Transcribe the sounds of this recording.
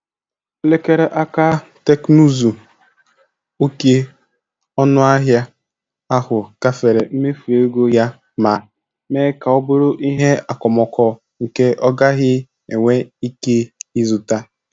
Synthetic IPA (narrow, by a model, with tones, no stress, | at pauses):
le˦ke˦ɾe˦ʔa˦ka˦te˦knu˦zu˨ | o˦ke˦ | ɔ˦nʊ˦a˦ɦja˦ | a˦hʊ˨ka˨fe˨ɾe˨m̩˦me˦fu˨e˦ɡo˦ja˦ | ma˨ | meː˦ka˨ɔ˦bo˦ɾo˦ʔi˦ɦe˦a˨kɔ˨mɔ˨kʰɔ˨ | ŋ̩˨ke˦ʔɔ˦ɡa˦ɣɪ˦ | e˨ŋʷe˦i˦ke˦i˦zʊ˨ta˦